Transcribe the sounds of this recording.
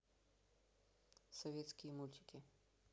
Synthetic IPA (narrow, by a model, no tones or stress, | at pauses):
sɔvʲjet̪skimult̪ʲi̥ki